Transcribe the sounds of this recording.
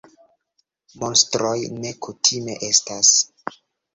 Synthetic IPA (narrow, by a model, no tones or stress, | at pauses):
monstɾo̞jne̞kutʰime̞̰ʔe̞stas